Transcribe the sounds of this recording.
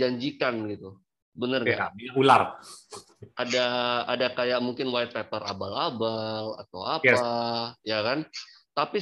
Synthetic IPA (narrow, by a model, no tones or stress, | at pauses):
aɲd͡ʒikanɡit̪u | bənərɲabiaula̰r | adaːdakajaʔmuŋkɪnwajt̪̚pɛpəɾa̰balabala̰t̪awaajakant̪api